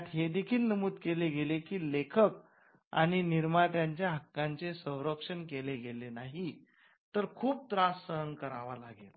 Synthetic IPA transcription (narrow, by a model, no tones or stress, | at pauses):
t̪ɦed̪ekʰiːlnəmuːd̪̚keleɡelekiːlekʰək̚ | a̰ɽ̃iniɾmat̪jaɲt͡ɕjaɦəkːãɲt͡sesə̃w̃ɾəkʂəɳkeleɡelenaɦi | t̪əɾkʰuːp̚t̪ɾasːəɦənkəɾaʋala̰ɡel